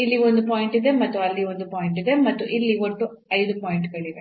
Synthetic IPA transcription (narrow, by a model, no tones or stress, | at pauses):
ilːio̞nd̪upoːjiɳʈid̪e̞mɐt̪ːuɐlːiond̪upaːjiɳʈid̪e̞mɐt̪ːuʔilːiʋoʈːu | ɐjd̪upoːjiɳʈɡɐɭid̪e